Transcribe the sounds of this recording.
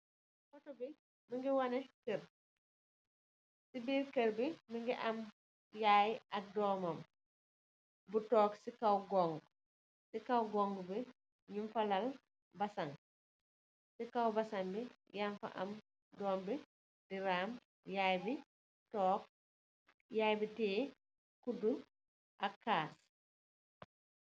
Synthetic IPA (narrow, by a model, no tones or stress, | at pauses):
fɔtɔbi | miŋɡiwɐnɛkər | sibiːrkəɾbimiŋɡiʔɐm | jaːjʔɐk̚dɔːmɐm | butɔːksikɐwɡɔŋɡ | sikɐwɡɔŋɡbi | ɲumfɐlɐl | bɐsɐŋ | sikɐwbɐsɐŋbi | jaɱfɐ̰ʔɐ̰m | dɔːmbi | diɾaːm | jaːjbi | tɔːk̚ | jaːjbitɛː | kudu | ʔɐkːaːs